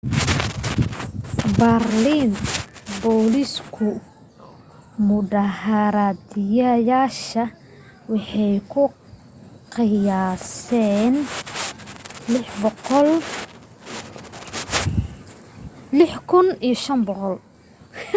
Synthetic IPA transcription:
bɐrliːnbɔːliskʰʊ | mʊɖɐhɐɾad̪jɐjaːʃɐ | wɑħɑjkʰʊ | qɪjaːsɛn | l | lɪħkʰʊnijʃɐnbɔqɔl

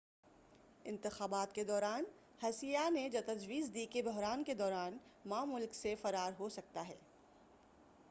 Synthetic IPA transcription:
ɪ̃nt̪ɪxaːbaːt̪ked̪ɔːɾaːn | hɐsijaned͡ʒɐt̪ɐd͡ʒwiːzd̪iːkebɔɦɾaːnked̪ɔːɾaːnmaːmʊlksefɐɾaːɾɦosɐk̚t̪aɦɛː

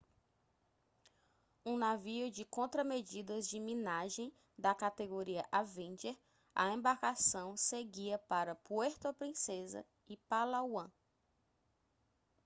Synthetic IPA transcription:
ũnaviʊd͡ʒɪkõnt̪ɾɐmed͡ʒid̪ɐzd͡ʒɪmĩnaʒẽj̃ | d̪ɐkat̪eɡoɾiɐʔavẽd͡ʒeɾ | ɐ̰ẽbaɾkasɐ̃w̃seɡiɐpaɾɐpueɾt̪oɐpɾĩsezɐ̰ | ɪpalawɐ̃

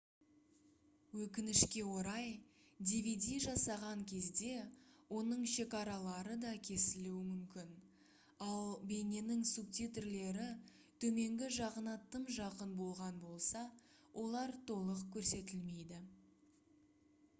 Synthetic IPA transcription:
wɵkʲɪnɪʃkʲe̞wo̞ɾɑj | d̪ʲivʲid̪ʲijʒɑsɑʁɑŋkʲʰe̞zd̪e̞wo̞nəɴʃe̞kɑɾɑlˠɑɾəd̪ɑkʲʰe̞sɪluwɪmʏmkʲɪn | ɑlˠbe̞nʲe̞nɪŋsub̚t̪ʲit̪ɪrle̞ɾɪ | t̪ʰɵme̞ŋɡʲɪʒɑqənɑt̪ːəmʒɑqənbo̞lˠʁɑnbo̞lˠsɑ | wʔo̞lˠɑɾt̪ʰo̞lˠəqkʲʰɵɾse̞t̪ɪlme̞jd̪ɪ

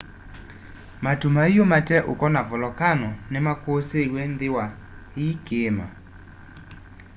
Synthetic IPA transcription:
matumaijɔmatɛʔokɔnavɔlɔkanɔnɛmakosewɛndɪwa | ikema̰

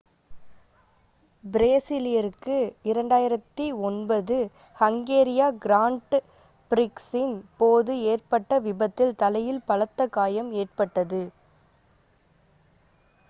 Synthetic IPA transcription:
bɪɾeːsɪlɪjɐɾɯkːɯɪɾɐɳɖaːjɪɾɐt̪ːiɔnbɐðɯ | hɐŋɡeːɾɪjaːɡɪɾaːɳʈ | pɪɾɪksɪnpoːðɯeːrpɐʈːɐʋɪbɐt̪ːɪlt̪ɐlɐjɪlpɐɭɐt̪ːɐkːaːjɐmeːrpɐʈːɐðɯ

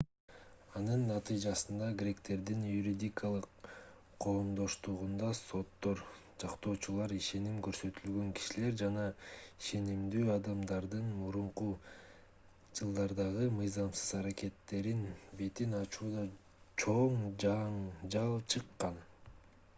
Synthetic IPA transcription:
ɑnɯnːɑt̪ɨjd͡ʒɑsɯnd̪ɑɡɾʲe̞kt̪e̞ɾd̪injuɾʲid̪ʲikʰalˠɯqʰː | o̞lˠomd̪o̞ʃt̪uʁund̪ɑso̞t̪ːo̞ɾ | d͡ʒɑqt̪o̞ːt͡ʃulˠɑɾiʃe̞nimkøɾsø̞t̪ylɡø̞ŋki̥ʃile̞ɾd͡ʒɑnɑiʃe̞nimd̪yːɑd̪ɑmd̪ɑɾd̪ɯnmuɾuɴqu | d͡ʒɯlˠd̪ɑɾd̪ɑʁɯmɯjzɑmsɯzɑɾakʲe̞t̪ːe̞ɾinbe̞t̪inɑt͡ʃuːd̪ɑ | t͡ʃʰoɴɑɴd͡ʒɑlˠt͡ʃʰɯqːɑn

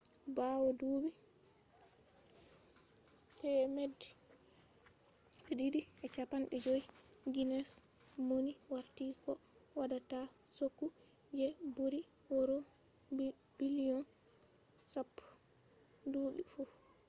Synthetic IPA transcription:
baːwɔduːbi | tɛmedːi | ɓɛdiɾiʔɛt͡ʃapanɓɛd͡ʒoiɡinɛs | moniwaɾtiːkɔwadatasokːud͡ʒɛbuɾiwɔɾo | b̥iliɔn | sapː | duːɗifu

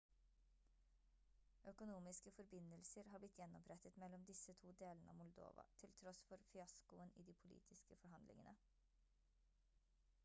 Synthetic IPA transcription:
œkʊnuːmɪskəfɔɾbɪnəlsəɾhɑːblɪt̪ʰːjɛnːɔpʰɾɛt̪ət̪mɛlːɔmd̪ɪsət̪ʰuːd̪eːlənəɑ̰ːmʊld̪o̰ːʋɑ̰t̪ʰɪlt̪ʰɾɔsfɔɾfɪɑskʊənḭːd̪iːpʰʊlḭːt̪ʰɪskəfɔɾɦɑnd̪lɪ̰ŋə̰nə

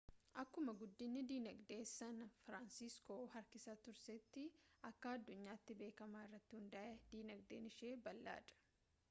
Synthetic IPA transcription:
ʔɐkːʊmɐɡʊd̪ːɪnːɪd̪iːnɐɡd̪e̞ːsːɐnfɾansɪskoːɦɐɾkɪsaːt̪ʊɾsɛt̪ːɪʔɐkːɐːɐd̪ːʊɲːaːɪt̪ːɪbe̞ːkɐmaːɪrːɐt̪ːɪhʊnd̪ɐʔɛd̪̥iːnɐɡ̚d̪eːnɪʃeːbɐlːa̰ːᶑɐ̥

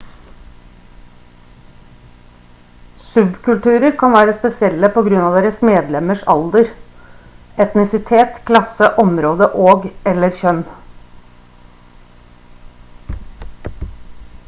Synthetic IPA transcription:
sʉbkʰʉlt̪ʉːɾəɾkʰɑnʋæːɾəspɛsɪɛlːəpɔɡɾʉnɑːʋd̪eːɾəsmeːd̪lɛməʂɑ̰ld̪əɾ | ɛt̪nɪsɪt̪ʰeːt̪kʰlɑsəʔɔmɾoːd̪əʔoːɡɛlːəɾçœn

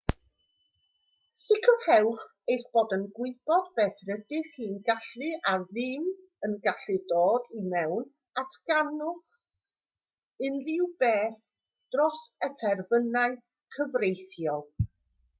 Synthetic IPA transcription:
sɪkʰəhɛwχ | ejθb̥oːdənɡwɪb̥ɔdbɛːθrədɪχiːnɡaɬɨʔaðɪw | ənɡaɬɨdoːdimɛwn | atʰɡ̥anʊχ | ɨnrɪwbeːθ | d̥rɔsətʰɛrvənaɨ | kʰəvrejθjɔlˠ

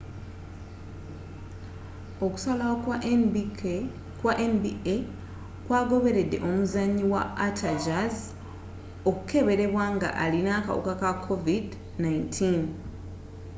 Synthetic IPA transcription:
o̞ku̥sala | kwaʔenbie | kwaːɡo̞βe̞ɾe̞dːe̞ʔo̞muzaɲːiwaːtʰad͡ʒaz | o̞kuke̞βe̞ɾe̞βwaːŋɡa̰ʔalinaka̰wṵkakakʰːovid | naintʰin

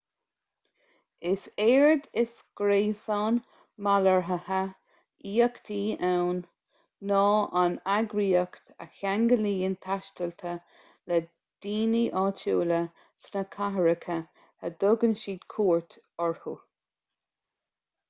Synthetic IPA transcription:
ɪseːɹd̪ɪsɡ̥ɾeːsɑːn | maləɹɦəha | iːəkt̪ʰiːawnː | ɑːʔanaɡɾiːəkt̪a̰çaŋɡəliːɪnt̪ʰaʃt̪əlt̪ʰə | lɛ | d̪̥iːniʔɑːtʰuːlə | snəkʰaɦəɹəkʰə | həd̪̥ʊɡənʃiːd̪kʰuːɹt̪ | ɔɹhu

